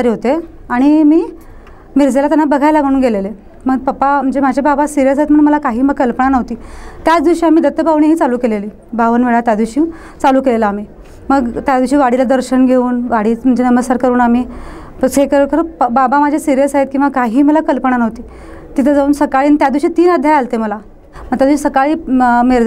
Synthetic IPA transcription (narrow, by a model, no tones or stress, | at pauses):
aɾeɦot̪e | aɽ̃imiː | miɾd͡zelat̪janːabəɡʱajlam̤əɽ̃uːnɡelele | məɡpəpːam̤əɳd͡zem̤ad͡ʑʱababasiɾijəsaɦet̪m̤əɽunməlakaɦiːməɡkəlpəɳanəʋt̪iːt̪jat͡sd̪iɕiːamiːd̪ət̪ːəpaʋɳiɦiːt͡saluːkeleliː | bʱaʋənʋeɭat̪jad̪iʋɕiː | t͡saluːkelelaːm̤iː | məɡt̪jad͡zd̪ʋiɕiːʋaɽilad̪əɾɕənɡʱeuːnʋaɽiːm̤əɳd͡ʑenəməskaɾkəɾuːnamiː | sekəɾkəɾbabamad͡ʑʱesiɾijəsaɦet̪̚kĩʋakaɦiːməlakəlpəɳanəʋt̪iː | t̪it̪ʰəd͡zauːnsəkaɭiːnit̪jad̪ʋiɕiːt̪iːnad̪ʱjajalt̪eməla | məɡt̪jad̪iɕiːsəkaɭiːmeɾ